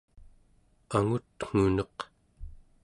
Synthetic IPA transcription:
aŋut̪ŋ̥unʌq

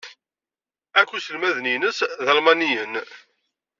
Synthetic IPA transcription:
ækʷːusəlmæðninəsðɑlmɑnijən

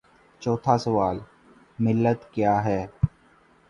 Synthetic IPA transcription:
t͡ʃɔːt̪ʰasəʋaːl | mɪlːət̪kjaːɦɛː

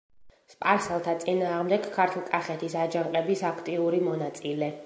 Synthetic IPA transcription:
spʼaɾsɛlˠt̪ʰat̪sʼinaːʁmd̪ɛɡ̥kʰːaɾt̪ʰulˠkʼaχɛt̪ʰisad͡ʒaŋqʼɛbisakʰt̪ʼiuɾimɔnat̪sʼilɛ

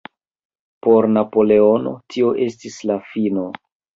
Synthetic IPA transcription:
po̞ɾnapo̞le̞o̞no̞̰tʰio̞ʔe̞stislafino̞

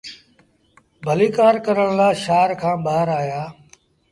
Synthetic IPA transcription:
bʱəliːkaːɾkəɾəɽ̃laːʃaːɾkʰãːɓaːɾaːjaː

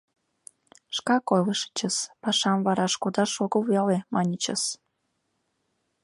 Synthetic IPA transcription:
ʃkɑkojləʃə̥t͡ɕəspɑʃɑmvɑɾɑʃkod̪ɑʃoɣəvɑlemɑnʲət͡ɕəs

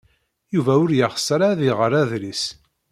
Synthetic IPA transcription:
juvæʊɾjəχsːəɾaðiʁəɾæðlis

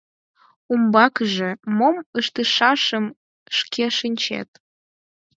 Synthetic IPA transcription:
umbɑkʒĕmoməʃt̪ɨʃɑʃəm | ʃkʲʰeʃɨnʲt͡ɕḛt̪̚

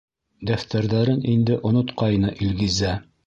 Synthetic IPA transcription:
d̪æft̪æɾðæɾɘnind̪ɘʔŏnŏt̪qɑjnɤʔilɡɘzæ

